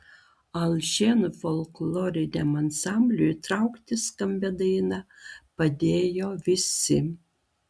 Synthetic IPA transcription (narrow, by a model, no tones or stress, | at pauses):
ɐlˠʲʒʲenfɔlˠklˠɔːɾʲɪd̪ʲɛmɐnsɑmʲbʲlʲut̪ɾɑʊkt̪ʲɪskɐmʲbʲɛd̪ɐɪnɐpɐd̪ʲeːjoːʋʲɪsʲɪ